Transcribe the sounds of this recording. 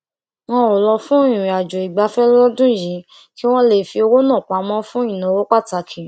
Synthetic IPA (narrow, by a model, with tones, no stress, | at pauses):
w̃ɔ̃˦o˨lɔ˧fũ˦ĩ˦˨ĩ˨a˨d͡ʒo˨i˨ɡ͡ba˧˦fɛ˦lɔ˦dũ˦˨jĩ˨˦ | ki˦w̃ɔ̃˦le˦˨fi˧o˧wo˦nãː˦˨k͡pa˨˧mɔ̃˦fũ˦ĩ˦˨nã˨˧wo˦k͡pa˦˨ta˧˨kʰĩ˨